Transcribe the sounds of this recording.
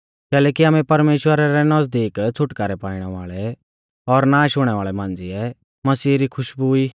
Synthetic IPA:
kɛːlɛːkiaːmɛ̃pɐɾmeːʃwəɾaɾɛnɐzd̪iːkt͡sʰʊʈkaɾɛpaːɪɽ̃ɛʋa̰ːɭɛ | ɔɾnaːʃʊɽ̃ɛʋaːɭɛmãːnd͡ziɛ | mɐsiːɾikʰʊʃbuiː

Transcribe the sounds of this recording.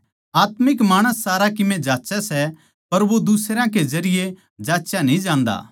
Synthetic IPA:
aːt̪mɪkmaːɽ̃əsːaːɾakɪmẽd͡ʒaːtːt͡ʃɛsɛ | pɐɾʋod̪usɾãked͡ʒɐɾɪje | d͡ʒaːtːʃanĩd͡ʒãːnd̪a̰ː

